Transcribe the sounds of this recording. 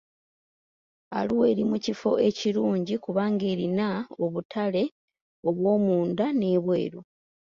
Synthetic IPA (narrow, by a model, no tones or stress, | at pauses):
a̰luwe̞ːɾimucifo̞e̞ciɾuːɲɟikuβaːŋɡe̞ːɾinao̞βutʰale̞ | o̞βwo̞ːmuːndane̞ːβwe̞̰ːɾo